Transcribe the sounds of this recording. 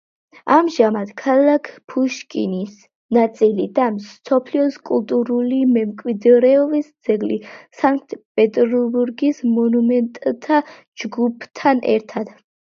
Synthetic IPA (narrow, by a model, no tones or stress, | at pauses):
amʒamad̪̥kʰalakʰpʰuʃkʼinis | nat̪sʼilid̪amsɔpʰliɔskʼulˠt̪ʼuɾulimɛmkʼwid̪ɾɛɔbisd̪z̥ɛɡlḭsaŋkʼt̪pʼɛt̪ʼɾɔbuɾɡismɔnumɛnt̪ʼt̪ʰa | d͡ʒɡupʰt̪ʰːanʔɛ̰ɾt̪ʰad̪̥